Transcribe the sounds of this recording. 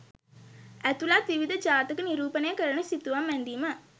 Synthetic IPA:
æt̪ulaːt̪ʋiʋid̪ʱɐd͡ʒaːt̪ɐkɨniɾuːpɐnɐjɐkɐɾɐnəsit̪ːuʋamʋɛnd̪iːmə

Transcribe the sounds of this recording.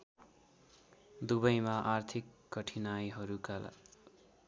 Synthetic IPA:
d̪uβʌjmaʔart̪ʰikːʌʈʰinajɦʌɾukala̰

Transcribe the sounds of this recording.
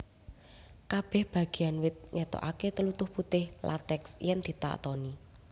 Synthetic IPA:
kab̥ɛ̤hb̥ä̤ɡ̥e̤anwɪt̪̚ɲɛt̪ɔ̰ʔaket̪əlut̪ʊhput̪ɪhlʔa̰t̪ɛksjɛŋd̪̥i̤t̪a̰ʔt̪ɔni

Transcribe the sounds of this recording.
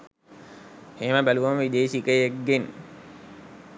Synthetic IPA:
heːməbæluʋaməʋid̪eːsikəek̚ɡen

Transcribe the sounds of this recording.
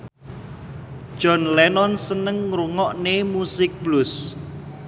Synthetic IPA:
d̥ʒ̥ɔ̤nlɛnɔnsənəŋːɾuŋɔʔnemusɪk̚b̥lʊs

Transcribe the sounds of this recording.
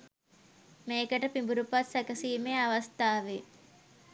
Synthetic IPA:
meːkəʈəpimbuɾupasɛkəsiːmeaʋast̪aːʋe

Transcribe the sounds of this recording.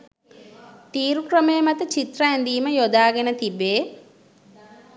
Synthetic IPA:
t̪iːɾukrəmejəmat̪ət͡ʃit̪rəɛnd̪iːməjod̪aːɡenət̪ibːeː

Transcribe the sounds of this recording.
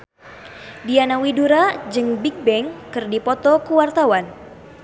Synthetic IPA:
dianawiduɾad͡ʒɨŋbik̚bɛŋkɨrdipɔt̪ɔkuwart̪awan

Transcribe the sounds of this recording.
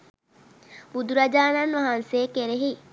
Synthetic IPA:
bud̪uɾɐd͡ʒaːnanʋɐɦanseːkeɾeɦi

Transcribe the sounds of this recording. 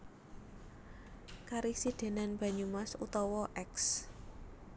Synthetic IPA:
kaɾisiɖ̪̥e̤nanb̥a̤ɲumasut̪ɔwɔʔɛks

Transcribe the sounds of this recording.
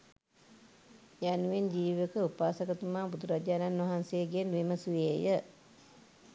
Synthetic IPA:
januʋend͡ʒiːʋəkəupaːsakət̪umaːbud̪uɾad͡ʒaːnanʋaɦanseːɡenuʋeməsuʋeːjə

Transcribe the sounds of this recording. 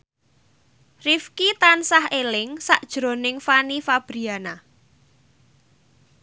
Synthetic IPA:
rifkit̪ansahelɪŋsaʔd̥ʒ̥ɾo̤nɪŋfanifab̥ɾiana

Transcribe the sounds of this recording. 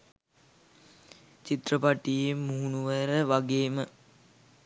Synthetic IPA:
t͡ʃit̪rəpaʈijemːuɦunuʋəɾəʋaɡeːmə

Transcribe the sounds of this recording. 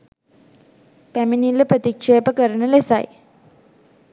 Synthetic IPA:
pæminilːəpɾət̪ikʂejpəkəɾənəlesa̰j

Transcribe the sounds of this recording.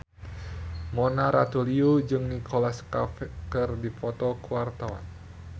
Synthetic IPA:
monaɾat̪uliud͡ʒɨŋnikolaskafkərdifɔt̪ɔkuwart̪awa̰n

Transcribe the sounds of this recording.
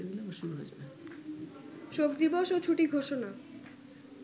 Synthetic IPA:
enilomaʃuɾuɦo̰d͡ʑbe | ʃokd̪iboʃot͡ɕʰuʈiɡʱoʃona

